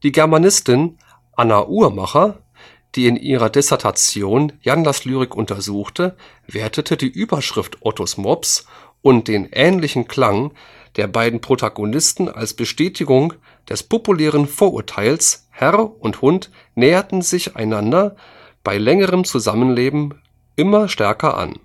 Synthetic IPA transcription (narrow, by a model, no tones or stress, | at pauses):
d̥iːɡɛɐmanɪstɪn | ʔanaʔuːɐmaχɐ | d̥iːɪnʔiːʁ̞ɐdɛsɛɐtʰat͡sjoːnjanlaslyːʁ̞ɪkʔʊntʰɐzuːxtʰə | veːɐtʰətʰədiːʔyːbɐʃʁ̥ɪftʔɔtʰosmɔps | ʔʊntd̥eːnʔɛːnlɪçn̩kʰl̥aŋ | d̥eːɐbaɪdn̩pʁ̥otʰaɡonɪstn̩ʔa̰lsb̥əʃtɛːtʰɪɡʊŋ | d̥ɛspopulɛːʁ̞ənfoːɐʔṵːɐtʰaɪls | hɛʁʊnthʊnt | nɛːɐtn̩zɪça̰ɪnandɐ | b̥aɪlɛŋəʁəmt͡suzamənleːbm̩ | ʔɪmɐʃtɛɐkɐʔa̰n